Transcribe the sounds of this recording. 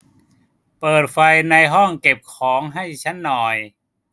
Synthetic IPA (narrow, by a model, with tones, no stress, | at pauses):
pɤː˨˩t̪̚fa˧jna˧jɦɔ˥˩ŋke˨˩p̚kʰɔː˩˦ŋɦa˥˩jt͡ɕʰa˦˥nːɔː˨˩j